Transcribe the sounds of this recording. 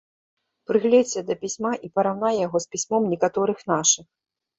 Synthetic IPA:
pɾɨɣlʲɛɛd̪ɐpʲisʲmaʔipɐɾawn̪ajjaɣɔspʲisʲmɔmnʲɛkat̪ɔɾɨxnaʂɨx

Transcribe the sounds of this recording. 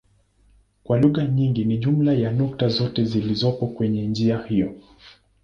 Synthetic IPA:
kwaluɣaɲiŋɡiniʄum̩lajanɔk̚tazɔtɛzilizɔpɔkwɛɲɛnd͡ʒiahijɔ

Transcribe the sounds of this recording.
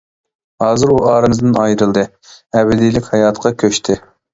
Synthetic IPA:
hɑːzɨɾuɑːɾɨmɨzd̪ɨnɑjɾɨlˠd̪ɨ | ɛbɪd̪ijlɪkʲhɑjɑːt̪qʰɑkʲʰøʃt̪ʰɪ

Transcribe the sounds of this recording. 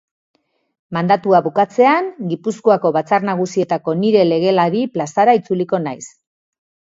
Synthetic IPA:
mand̪at̪uaβukat͡se̞aŋɡipuskoako̞βat͡sarnaɣ̞usie̞t̪ako̞niɾe̞le̞ɣ̞e̞laɾiplasaɾait͡suliko̞najs

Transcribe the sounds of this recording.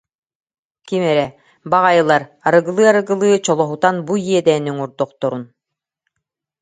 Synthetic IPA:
kimɛɾɛ | baʁajɯlˠaɾaɾɯɡɯlˠɯːaɾɯɡɯlˠɯːt͡ɕɔlˠɔɦut̪anbujiɛd̪ɛːnyŋuɾd̪ɔqt̪ɔɾun

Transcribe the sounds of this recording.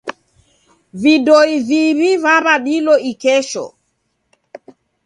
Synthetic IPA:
vidɔiviβivaβaɗilɔikɛʃɔ̰

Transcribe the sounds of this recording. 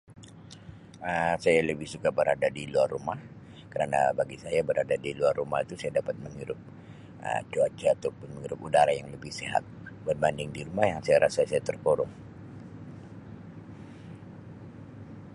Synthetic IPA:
əsajaləbɪhsukabəɾadadiluarːumah | kəɾana̰baɡisajabəɾadadiluarːumahit̪usajadapat̪̚məŋiɾʊp̚ | ə̰t͡ʃuat͡ʃaːt̪awpʊnməŋiɾʊpudaɾajaŋləbɪhseɦa̰t̪̚bənbandɪŋdiɾumahjaŋsajaɾʔasajsajat̪ərpoɾʊŋ

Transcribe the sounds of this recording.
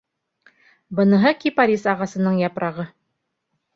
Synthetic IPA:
bɤ̆nɤ̆ɦɤkipaɾʲisɑʁɑsɤ̆nɤɴjɑpɾʔɑʁɤ

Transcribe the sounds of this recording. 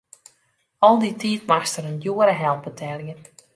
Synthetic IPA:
ɔlˠditʰiːtmaxstəɾənjuəɾəɦɛlˠp̚bətʰɛlˠjən

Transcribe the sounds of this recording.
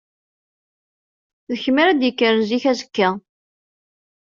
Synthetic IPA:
ðəçməɾæd̪jəkːəɾziçæzə̥kːæ

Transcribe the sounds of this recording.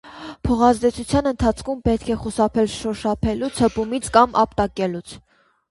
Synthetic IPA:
pʰɔʁɑzd̪ɛt͡sʰut͡sʰjɑnənt̪ʰɑt͡sʰkʰumpɛt̪̚kʰɛχusɑpʰɛlʃɔʃɑpʰɛlut͡sʰhəpumit͡sʰkɑmʔɑ̰pt̪ɑkɛlut͡sʰ

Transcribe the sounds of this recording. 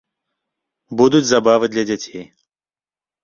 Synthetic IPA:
bud̪ud͡zʲzabavɨd̪lʲɐd͡zʲat͡sʲej

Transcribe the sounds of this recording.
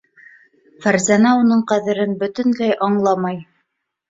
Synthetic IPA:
fæɾzænæunɤɴqæðɘ̆ɾɘnbɵ̆t̪ɘ̆nlæjʔɑɴlˠɑmɑj

